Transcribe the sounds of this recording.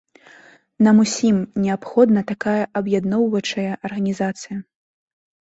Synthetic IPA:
nɐmusʲimnʲɛapxɔd̪nɐt̪akajɐʔɐbjad̪nɔwvɐt͡ʂɐjɐʔɐrɣɐnʲizat̪sɨjɐ

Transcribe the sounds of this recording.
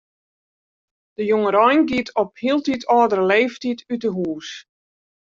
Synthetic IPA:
d̥əjoŋəɾɔjnɡitʰɔphiəlˠtitʰɔːdərəleːftitʰytəɦuːs

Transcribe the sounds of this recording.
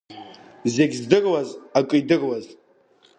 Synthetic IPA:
zeɡʲzdɨrwazakʼɨidɨrwaz

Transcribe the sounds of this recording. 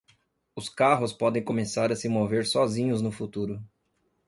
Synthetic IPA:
ʊskaɦʊspɔd̪ẽj̃komesaɾɐsɪmoveɾsɔzĩɲʊznʊfut̪uɾʊ

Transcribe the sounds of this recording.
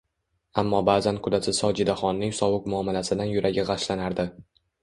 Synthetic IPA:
amːɒbaːzankʰʊd̪asɪsɒd͡ʒɪd̪aχɒnːɪŋsɒwʊkmʊamːalasɪd̪anjʊɾʔaɡʲɪʁɑʃlanaɾd̪ɪ

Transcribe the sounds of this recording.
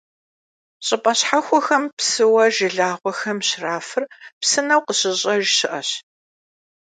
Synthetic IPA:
ɕʼɪpʼɐɕħaxʷɔxɐmpsɨwɐʒɪɮaːʁʷɔxɐmɕraːfɨrpsɨnɐwqəɕɪɕʼɐʒɕɪʔɐɕ

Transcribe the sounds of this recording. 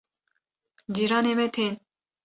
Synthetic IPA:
d͡ʒiɾɑːnemɛt̪ʰen

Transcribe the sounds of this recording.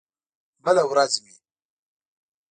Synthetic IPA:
balawɾat͡simi

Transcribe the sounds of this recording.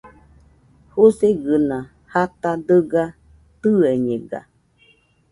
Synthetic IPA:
hoseɡɨnã | hat̪ad̪əɡa | t̪ɨeɲẽɡa̰

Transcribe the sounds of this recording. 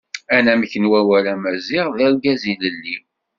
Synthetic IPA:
ænæməçənwæwælæmæziʁðæɾɡæziləlːi

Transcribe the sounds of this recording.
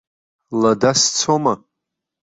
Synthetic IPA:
ladast͡sʰoma

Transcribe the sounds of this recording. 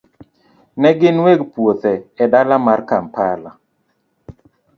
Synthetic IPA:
nɛɡɪnweɡpwot̪ɛɛdalamarkampala

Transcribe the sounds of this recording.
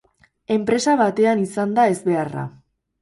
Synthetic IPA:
e̞mpɾe̞saβat̪e̞anisand̪ae̞zβe̞ara̰

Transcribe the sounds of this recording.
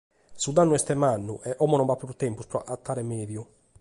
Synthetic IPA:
sud̪anːuɛst̪ɛmanːṵʔɛʔɔmɔnɔmbapːɾuɾt̪ɛmpuspɾɔʔat̪ːaːɾɛmeːðju

